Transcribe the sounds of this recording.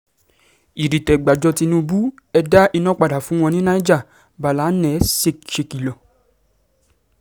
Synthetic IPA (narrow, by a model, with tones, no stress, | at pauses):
i˨ɾi˨tɛ˨ɡ͡ba˨d͡ʒɔ˧ti˧nũ˧bu˦ | ɛ˧da˦ʔi˧nɔ̃˦k͡pa˨da˨fũ˨˦w̃ɔ̃˧nĩ˦nã˦i˦d͡ʒa˦˨ | ba˨la˨˦nɛ̃˨˦se˧ʃe˧ki˨lɔ˨